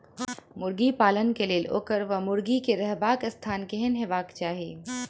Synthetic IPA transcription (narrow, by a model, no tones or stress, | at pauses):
mʊɾɡipaːlənkeleːlo̰ːkəɾʋɐmʊɾɡikeɾɐɦbaːkɐst̪ʰaːnkeɦɪnɦeʋaːkt͡ʃaːɦeː